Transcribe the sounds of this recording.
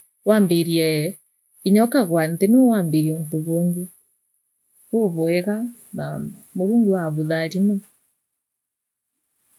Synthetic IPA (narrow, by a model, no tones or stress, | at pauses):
waːmbeɾiɛ | iɲɔkaɣwantenowaːmbeɾiɛntoβoːŋɡe | βoβɔɛɣanamoɾuːŋɡewaβuðaɾinɔ